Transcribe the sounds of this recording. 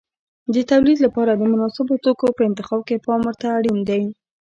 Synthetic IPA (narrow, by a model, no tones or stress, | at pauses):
d̪ət̪awlid̪lapɑɾad̪əmʊnɑsɪbot̪okopəɪnt̪ɪxɑb̚kepɑmwəɾt̪aːɽind̪aj